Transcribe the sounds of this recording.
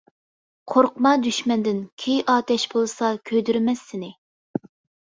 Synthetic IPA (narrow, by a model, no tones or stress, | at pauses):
qʰoɾqmɑd̪yʃmɛnd̪ɪnkʲʰejʔɑːt̪ʰɛʃbolˠsɑkʲʰød̪yɾmɛsːɪnɪ